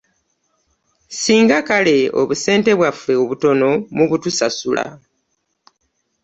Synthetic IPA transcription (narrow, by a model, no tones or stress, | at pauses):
siːŋɡakale̞o̞̰βuse̞ːnte̞βwafe̞oβuto̞no̞muβutusasula̰